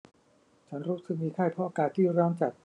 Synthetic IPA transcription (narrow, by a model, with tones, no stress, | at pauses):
t͡ɕʰa˦˥nɾuː˦˥sɯ˨˩k̚miː˧kʰaː˥˩jpʰɔ˦˥ʔaː˧kaː˨˩t̪ʰːiː˥˩ɾɔː˦˥nt͡ɕa˨˩t̪̚